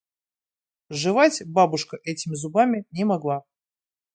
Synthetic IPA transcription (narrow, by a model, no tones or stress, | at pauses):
ʐɨvatʲbabʊʂkəʔɛtʲɪmʲɪzʊbamʲɪnʲɪmɐɡlˠa